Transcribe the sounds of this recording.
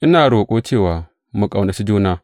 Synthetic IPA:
ʔi˦na˨ɾo˨kʼo˦t͡ʃeː˦˨wa˨ | mu˨kʼa˨wna˨si˦d͡ʒu˦na˦

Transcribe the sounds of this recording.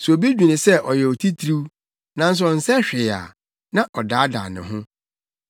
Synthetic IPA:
sʊ˨o˨bi˦d͡ʑᶣĩ˨nɪ̃˨sɛ˦ʔɔ˨jɛ˨ɔ˨tʰi˦tʰɾu˦ | nã˦n̩˦s̬ʊ˦ɔ˨n̩˨sɛ˦ɕᶣɪ˨a̰˨ | nã˦ʔɔ˨daː˨˦da̰ː˨nɪ̰̃˨ɦʊ̃˦

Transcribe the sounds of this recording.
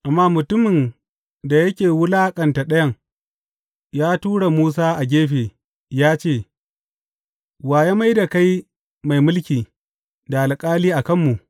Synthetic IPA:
ʔa˨mːaː˦mʊ˨tʊ˦mɪ˨n | da˨jɐ˦kʲeː˨wʊ˦laː˦kʼɐ˨nta˨ɗɐ˦jɐ˦ŋ | jaː˦tuː˦ɽa˨muː˦s̬aː˦ʔa˨ɡʲeː˦ɸeː˨ | jaː˦t͡ʃeː˦˨ | waː˨ja˦ma˦jda˨ka˦j | ma˨jmʊ˦lkʲiː˨ | da˨ʔa˨lkʼaː˦liː˦ʔa˨kɐ˦˨mːu˨ʔ

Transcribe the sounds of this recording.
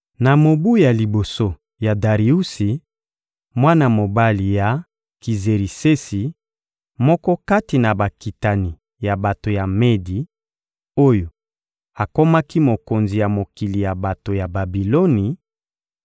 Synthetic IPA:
na˨mo˨bu˦ja˨li˨bo˨so˦ | ja˨da˨ʁi˨u˦si˨ | mwa˦na˨mo˨ba˦li˨ja˨ | ki˨ze˨ʁi˨se˦si˨ | mɔ˦kɔ˦ka˦ti˨na˨ba˨ki˨ta˨ni˨ | ja˨ba˨to˨ja˨me˦di˨ | o˦jo˨ | a˨ko˦ma˦ki˦mo˨ko˨nzi˨ja˨mo˨ki˨li˨ja˨ba˨to˨ja˨ba˨bi˨lo˦ni˨

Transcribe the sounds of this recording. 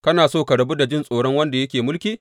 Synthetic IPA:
kɐ˦naː˨soː˦˨ka˨ɽɐ˨bu˦da˨d͡ʒɪ˦˨nsʼoː˨ɽɔ˦ŋwɐ˦nda˨jɐ˦kʲeː˨mʊ˦lkʲiː˦

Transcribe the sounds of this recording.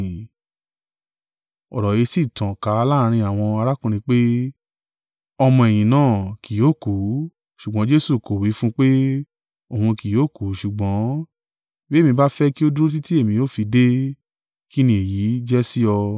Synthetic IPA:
ɔ̰˨ɾɔ˨je˨˧si˦˨tã˨ka˨˦˧la˦˧ɾ̃ĩ˧a˨w̃ɔ̃˧a˧ɾa˦kũ˦˧ɾ̃ĩ˧k͡pe˦ | ɔ˧mɔ̃˧e˨j̃ĩ˨nãː˦˨ki˨jo˨˦˨ku˨˦ | ʃu˨ɡ͡bɔ̃˨˦d͡ʒe˦su˦˨ko˨wi˨˦fũ˦k͡pe˦ | o˦˨hũ˧ki˨joː˨˦˨ku˨˦ʃu˨ɡ͡bɔ̃˨˦ | be˦˨mĩ˧ba˦fɛ˦ki˦o˦du˦o˦t̬i˦ti˦e˦˨mĩ˧jo˦˨fi˧de˦ | ki˦nĩ˧e˨ji˨˦d͡ʒɛ˦si˦ɔ˧

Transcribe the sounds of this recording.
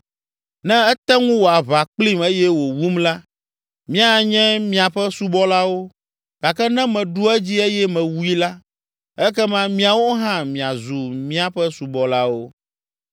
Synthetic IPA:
nɛ̃˦ɛ˦t̪ɛ˦ŋũ˦wo˨a˨βa˨k͡pli˦me˦jɛ˦wo˨wu˦mla˦ | mĩ˦a˦˨ɲɛ̃˦mĩ˨a˨ɸɛ˦su˦bɔ˦la˦wo˦ | ɡ̥a˨kɛ˦nɛ̃˦mɛ̃˨ɖu˦ɛ˦d͡ʑi˦e˦jɛ˦mɛ̃˨wu˦i˦la˦ | ɛ˦kɛ˦mã˦mĩ˦a˨wo˦ɦã˦mĩ˨a˨zu˨mĩ˦a˨ɸɛ˦su˨bɔ˨la˦wo˦

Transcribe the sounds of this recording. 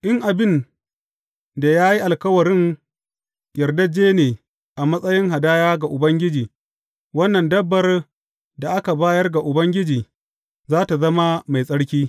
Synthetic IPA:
ʔɪ˦ŋʔa˨bɪ˦n | da˨jaː˦ji˦ʔa˨lkɐ˦wɐ˨ɾɪ˦ŋ | jɐ˨rdɐ˦d͡ʒeː˦neː˨ | ʔa˨mɐ˦sʼɐ˦jɪ˦ŋɦa˨daː˦jaː˦ɡa˨ʔʊ˨bɐ˦ŋɡʲɪ˦d͡ʒiː˨ | wɐ˦nːɐ˨ndɐ˦bːɐ˨r | da˨ʔa˦ka˨baː˦jɐ˦rɡa˨ʔʊ˨bɐ˦ŋɡʲɪ˦d͡ʒiː˨ | zaː˦ta˨zɐ˦ma˦ma˨jsʼɐ˦ɽkʲiː˦

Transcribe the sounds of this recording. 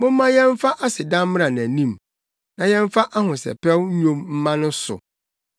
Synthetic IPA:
mʊ̃˦m˦mã˦jɛ̃˦ɱ˦fa˦ʔa˦sɪ˨dã˦m˦m˦a˨n˨æ˨nĩ˦m | nã˨jɛ̃˦ɱ˦fa˦ʔa˦hʊ̃˨sɛ̰˨pɛ˦wɲ˦ɲõ˦mm̩˦mã˦nʊ̃˦sʊ̰˨

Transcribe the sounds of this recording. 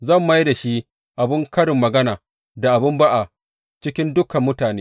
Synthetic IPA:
zɐ˦˨mːɐ˦jda˨ʃi˦ | ʔa˨bɪ˦ŋkɐ˦ɽɪ˨mːɐ˨ɡɐ˦naː˨ | da˨ʔa˨bɪ˦mba˦ʔa˨ | t͡ʃɪ˦kʲɪ˦ndʊ˦kɐ˨mːʊ˦taː˨neː˦

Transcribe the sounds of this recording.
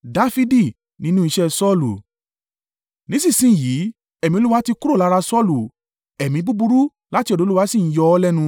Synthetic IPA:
da˦fi˦di˦˨ | nĩ˧˦nũ˦i˧ʃɛ˦sɔ˦˨lu˨ | nĩ˨˦sĩ˦˨sĩ˦˨ji˨˦ | ɛ˨mĩ˧o˨˦u˦wa˦ti˧ku˦ɾo˦˨la˨˦ɾa˧sɔ˦˨lu˨ | ɛ˨mĩ˧˦bu˦bu˧ɾu˦ | la˦ti˧ɔ˧˨do˨˦lu˦wa˦sĩ˦˨n̩˦jɔ˧ɔ˦lɛ˦nũ˧

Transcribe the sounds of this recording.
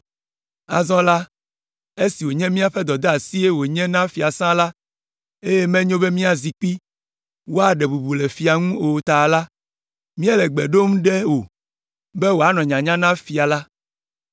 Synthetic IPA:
a̰˨zɔ̃˦la˦ | e˦si˨wo˨ɲɛ̃˦mĩ˦a˨ɸɛ˦d̪ɔ˨d̪ɛ˦a˨si˦e˦wo˨ɲɛ̃˦nã˦fi˨a˨sã˦la˦ | e˦jɛ˦mɛ̃˦ɲõ˦be˦mĩ˦a˨zi˨k͡pi˦ | wo˦a˨ɖɛ˨bu˨bu˨lɛ˨fi˨a˨ŋũ˦o˨t̪a˨la˦ | mĩ˦a˦lɛ˨ɡ͡be˨ɖo˦m̃˦ɖe˦wo˨ | bɛ˦wo˨a˨˦nɔ̃˨ɲã˨ɲã˦nã˦fi˨a˨la˦

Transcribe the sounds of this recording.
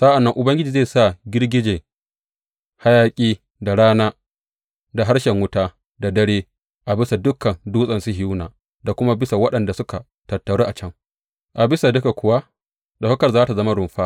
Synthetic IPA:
saː˦ʔa˨nːɐ˦ŋʔʊ˨bɐ˦ŋɡʲɪ˦d͡ʒiː˨zeː˦˨sa˦˨ɡʲɪ˦rɡʲɪ˦d͡ʒeː˨ | ha˦jaː˦kʲʼiː˦ | da˨ɽaː˦naː˦ | da˨ɦa˦ɽʃɛ˨ŋwʊ˦taː˦ | da˨dɐ˦ɽeː˦ | ʔa˨bɪ˦sa˨dʊ˦kːɐ˨nduː˦sʼɐ˨nsu˦ɦɪ˨juː˦naː˨ | da˨kʷʊ˦ma˦bɪ˦sa˨wɐ˦ɗɐ˨nda˨sʊ˦ka˨ | tɐ˨tːɐ˨ɽe˦ʔa˨t͡ʃɐ˦ŋ | ʔa˨bɪ˦sa˨dʊ˦ka˨kʷʊ˨wa˦ | da˨hʊ˦kɐ˨rzaː˦ta˨zɐ˦ma˦ɾʊ˨mɸaː˦

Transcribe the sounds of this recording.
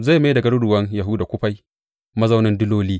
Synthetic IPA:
za˦˨ma˦dɐ˨ɡɐ˦ɽʊ˦dʊ˨wɐ˦ŋja˨ɦʊ˦da˨kʷʊ˦ɸa˦j | mɐ˦za˦wnɪ˦ndʊ˦loː˦liː˦

